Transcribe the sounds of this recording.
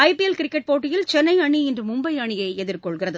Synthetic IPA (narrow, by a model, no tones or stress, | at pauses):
ɐɪpiɛlkɪɾɪkːɛʈ̚poːʈ̬ːɪjɪlt͡ʃɛnːɐɪɐɳiɛndrɯmʊmbɐɪɐɳɪjɐɪɛðɪɾkɔɭɣɪrɐðɯ